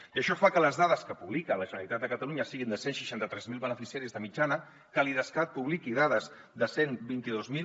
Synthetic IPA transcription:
iəʃɔfakələzðaðəskəpuβlikələʒənəlit̪at̪̚d̪əkət̪əluɲəsiɣind̪əsenʃiʃant̪ət̪ɾɛzmilˠβənəfisiaɾizðəmid͡ʒanə | kəliðəskat̪̚puβlikiðaðəz | ðəsenbint̪iðozmi

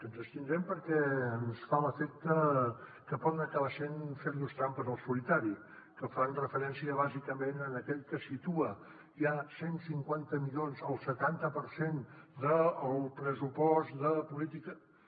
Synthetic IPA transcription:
kənzəst̪ind̪ɾɛmpəɾkɛənsfaləfɛk̪̚tə | kəpɔðənəkəβasenfeɾʎust̪ɾampəzəlˠsulit̪aɾi | kəfanrəfəɾɛnsiəβ̞azikəmenənəkɛʎkəsit̪uə | ʒasensiŋkwant̪əmiʎonzəlˠsət̪ant̪əpəɾsend̪əːlˠpɾəsupɔst̪d̪əpulit̪ikə

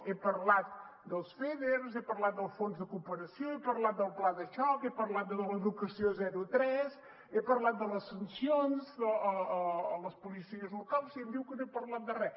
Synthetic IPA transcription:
epəɾlat̪̚ | d̪əlˠsfeðeɾzepəɾlat̪̚d̪əlˠfonzðəkumpəɾəsioepəɾlat̪̚d̪əlˠplaðəʃɔkepəɾlat̪̚d̪əðələðukəsiozɛɾut̪ɾɛz | epəɾlat̪̚d̪ələsənsionzəəəːləspulisiəzlukalˠsiɛmd̪iwkənoepəɾlat̪̚d̪ərɛ

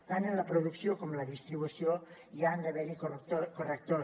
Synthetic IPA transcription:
t̪anenlapɾoðuksjokomlaðist̪ɾiβusjoiand̪eβɛɾikot̪okorek̚t̪o

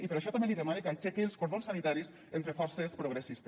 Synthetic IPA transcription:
ipeɾaʃɔt̪ambeliðemanekat͡ʃɛkelˠskoɾðonsanit̪aɾis | ent̪ɾefɔɾsespɾuɣɾesist̪

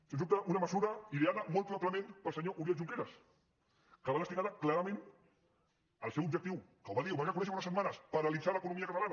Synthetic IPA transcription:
səsup̚t̪əʔunəməzuɾɐiðeaðəmolˠt̪lat̪ləmẽnpəlˠsəɲoʔuɾjoʒuŋkeɾɐs | kəβaðəst̪iɣaðəklaɾəmẽn | əlˠsɛwubd͡ʒək̚t̪iwkəwβaðiuwβaŋəkunɛʃəunəsət̪manəspəɾɐlid̪d͡zaləkunumiəkət̪alanɐ

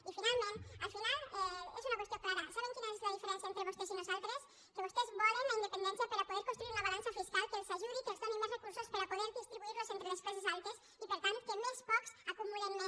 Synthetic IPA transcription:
ifinalmẽnalfinalɛesunakwest̪joklaɾasaβeŋkinoezlaðifeɾensjaent̪ɾeβust̪esenesalt̪ɾes | keβost̪ezβaɾenend̪epend̪enθjapaɾapoðeɾkõnst̪ɾuiɾunaβalansafiskalkelsaʒuɾikest̪aneŋosrekuɾsospaɾapoðeɾðist̪ɾiβuiɾlosent̪ɾeleskɔsezalt̪es | ipeɾt̪ant̪kemelspɔksakumulenːo

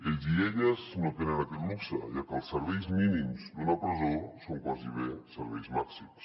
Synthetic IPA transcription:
eʎziɛʎəznot̪enənakɛt̪muksəʒakəlˠsəɾβɛjzminimzd̪unapɾezosoŋkwaziβesəɾβɛjzmaksims

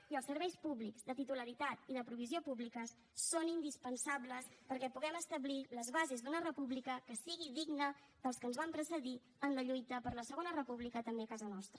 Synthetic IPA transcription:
iəlˠsəɾβɛjspuβlikzd̪ət̪it̪uləɾit̪at̪iðəpɾuβiziopuβlikəsː | onind̪ispənsabləspəɾkɛpuɣɛməst̪əbliləzβazezd̪unərəpuβlikəkəsiɣiðiɡnə | ðəlˠskənzβampɾəsəði | ənləʎujt̪əpəɾləsəɣ̞onərəpuβlikət̪əmbekazənɔst̪ɾə

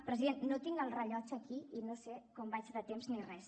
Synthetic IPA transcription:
pɾəziðennːot̪iŋəlˠrəʎɔt͡ʃəkiinosekɔmbat͡ʃðət̪emznirɛs

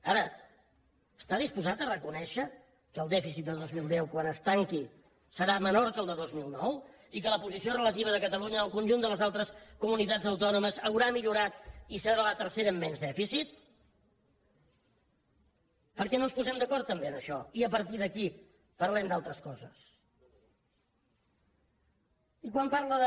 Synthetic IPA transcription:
aɾə | əst̪aðispuzat̪ərəkunɛʃə | kəlˠd̪ɛfisit̪̚d̪əðozmilˠd̪ɛwkwanəst̪aŋki | səɾamənoɾkəlˠd̪əðozmilˠnɔw | ikələpuzisiorələt̪iβ̞əðəkət̪əluɲəːlˠkunʲʒund̪ələzalˠt̪ɾəskumunit̪ad͡zəwt̪ɔnuməzəwɾamiʎuɾat̪̚isəɾalət̪əɾseɾəːmːɛnzðɛfisit̪̚ | pəɾkɛnonspuzɛmd̪əkɔɾt̪ːəmbeənəʃɔiəpəɾt̪iðəki | pəɾlɛmd̪alˠt̪ɾəskɔzə̰s | ikwampaɾləðə

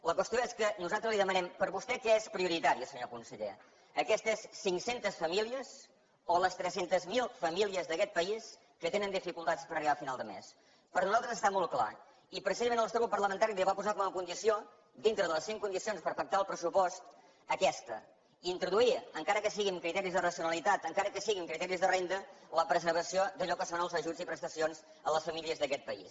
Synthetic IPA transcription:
ləkwəst̪joeskənuzalˠt̪ɾəzliðəmənɛmpəɾβust̪ɛkɛespɾiuɾit̪aɾiəsəɲokunsəʎḛ | əkɛst̪əesːiŋsent̪əsfəmiliəz | oləst̪ɾɛsent̪əzmilˠfəmiliəzðəkɛt̪̚pəis | kət̪enənd̪ifikulˠt̪atspəɾəriβafinalˠd̪əmḛs | pəɾnuzalˠt̪ɾəzəst̪amɔlˠkla̰ | ipɾəsizəmẽnəlˠst̪ɾβut̪pəɾləmənt̪aɾiβiβapuzakɔmuməkund̪isio | d̪int̪ɾəðəlˠəsiŋkund̪isionspəɾfək̚t̪aəlˠpɾəsupɔst̪ | əkɛst̪ə | int̪ɾuðuiəŋkaɾəkəsiɣimkɾit̪ɛɾizðərəsijunəlˠit̪at̪əŋkaɾəkəsiɣimkɾit̪ɛɾizðərend̪ələpɾəzəɾβəsiod̪əʎɔkəsonəlˠzəʒuzipɾəst̪əsionz | ələsfəmiliəzðəkɛt̪̚pəḭs

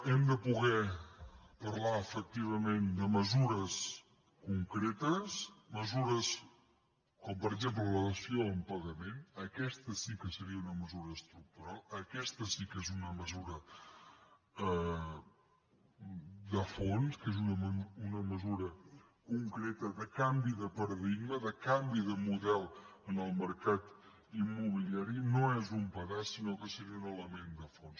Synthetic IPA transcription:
ɛmd̪əpuɣ̞ɛ | pəɾlaəfək̚t̪iβ̞əmend̪əməzuɾəs | kuŋkɾet̪əsməzuɾəs | kɔmpəɾəɡzemplələðəsioəmpəɣəmenəkɛst̪əsikəsəɾiəunəməzuɾəːst̪ɾuk̚t̪uɾalˠəkɛst̪əsikezunəməzuɾə | ə | d̪əfonskezunəməunəməzuɾə | kuŋkɾet̪əðəkambiðəpəɾəðiɡməðəkambiðəmuðɛlˠənəlˠməɾkat̪ | imːuβiliaɾinoezumpəɣasinokəsəɾiəunələmend̪əfons

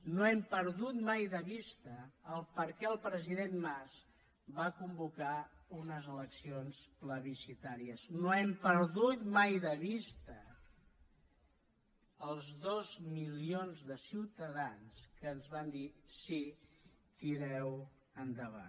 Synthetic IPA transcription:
noɛmpəɾðut̪majðəβist̪əːlˠpəɾkɛəlˠpɾəziðenmas | bakumbukaunəzələksionspləβisit̪aɾiəznoɛmpəɾðut̪majðəβist̪ə | əlˠzðozmilionzðəsiwt̪əðanskəːnzβand̪isi | t̪iɾɛw | ənd̪əβa̰n

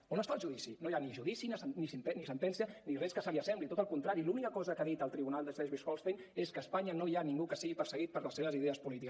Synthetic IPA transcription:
onəst̪aʒuðisinojaniʒuðisinasnisint̪ɛnisənt̪ɛnsiənirɛskəsaβiasɛmblit̪ot̪əlˠkunt̪ɾaɾilunikəkɔzəkaðit̪əlˠt̪ɾiβunalˠd̪əsɛʒβisxɔlst̪eneskəːspaɲənoianiŋɡukəsiɣipəɾsəɣ̞it̪̚pəɾləsːeβəziðeəspulit̪ik

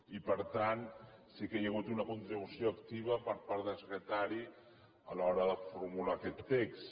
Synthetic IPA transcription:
ipəɾt̪ansikejəɣ̞ut̪unɐkunt̪ɾiβusjoəkt̪iβ̞əpəɾpaɾðəlsəkɾət̪aɾi | əlɔɾəðəfuɾmulakɛt̪ːeks

